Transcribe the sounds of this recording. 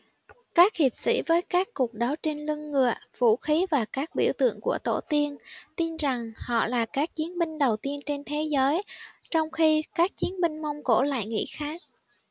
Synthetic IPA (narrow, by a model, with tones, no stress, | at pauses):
kaː˦˥k̚hi˨˩əp̚sḭ˧˥vəː˨˦jkaː˦˥kːu˨˩k̚ɗa˨˦wt͡ɕi˧ŋlɨ˧ŋːɨ˨˩əv̥ṵ˧˩xi˨˦vaː˨˩kaː˦˥k̚ɓi˧˩əwt̪ɨ̰˧˨əŋku˧˩ət̪o˧˩t̪i˧ənt̪i˧nza˨˩ŋhɔ̰˧˨laː˨˩kaː˦˥k̚t͡ɕi˨˦ənmï˧ŋ̟ɗə˨˩wt̪i˧ənt͡ɕe˧nt̪ʰe˨˦zəː˨˦jt͡ɕɔ˧wŋ͡mxi˧kaː˦˥k̚t͡ɕi˨˦ənmï˧ŋ̟mə˧wŋ͡mko˧˩la̰ː˧˨jŋḭ˧˥xaː˦˥k̚